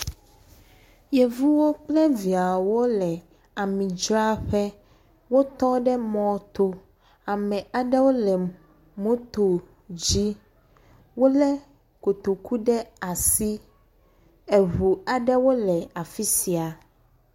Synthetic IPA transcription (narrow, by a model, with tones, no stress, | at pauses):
jɛ˨vu˦wo˦k͡plɛ˦vi˨a˨wo˦lɛ˨ | a˨mĩ˨d͡ʒɾa˦ɸɛ˦ | wo˦t̪ɔ˦ɖɛ˦mɔ̃˦t̪o˦ | a˨mɛ̃˨a˨ɖɛ˦wo˦lɛ˨ | mõ˦t̪o˨ | d͡ʑi˦ | wo˦lɛ˦ | ko˨t̪o˨ku˦ɖɛ˦a˨si˦ | e˨ɦu˨a˨ɖɛ˦wo˦lɛ˨a˨fi˦si˨a˨